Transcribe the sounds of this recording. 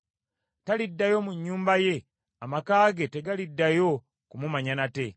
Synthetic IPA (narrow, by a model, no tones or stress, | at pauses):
talidːajo̞muɲːuːmbaje̞ | amakaːɡe̞te̞ɡalidːajo̞ | kumumaɲanate̞